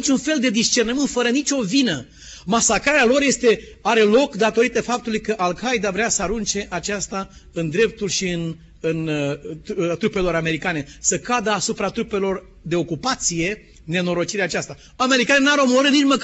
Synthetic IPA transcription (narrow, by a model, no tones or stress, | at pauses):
it͡ʃunfe̞ld̪e̞d̪ist͡ʃe̞rnəmɨnt̪fəɾənit͡ʃʲo̞vinə | masakɾaɾealo̞ɾje̞st̪e̞ | aɾe̞lo̞kd̪at̪o̞ɾit̪əfap̚t̪ulujkəʔalkʰajd̪avɾeasəaɾunt͡ʃe̞ʔat͡ʃast̪a | ɨnd̪ɾe̞p̚t̪ulʃiɨn | ɨn | t̪ɾupe̞lo̞ɾame̞ɾikane̞səkad̪əasupɾat̪ɾupe̞lo̞r | d̪e̞o̞kupat̪sije̞ | ne̞no̞ɾo̞t͡ʃiɾeaːt͡ʃast̪a | ame̞ɾikanenaɾomoɾɨnit͡ʃmək